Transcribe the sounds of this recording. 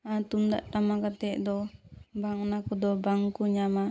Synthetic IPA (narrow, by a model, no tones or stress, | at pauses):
at̪umd̪a̰ʔt̪amakat̪ɛʔd̪ɔbaŋnakud̪ɔbaŋkuɲama